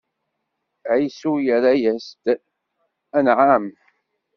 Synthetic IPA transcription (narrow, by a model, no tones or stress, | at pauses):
ʕisujəɾajæst̪ | ænʕam